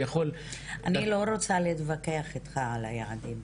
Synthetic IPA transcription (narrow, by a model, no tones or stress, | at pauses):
jaχol | anilo̞ɾo̞t͡saletvake̞aχet̪χaala̰jaʕadim